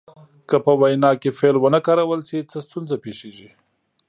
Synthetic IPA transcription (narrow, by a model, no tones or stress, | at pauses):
kəpəwajnɑkefelwənəkɑɾawəlset͡səst̪unzapeʃeʒi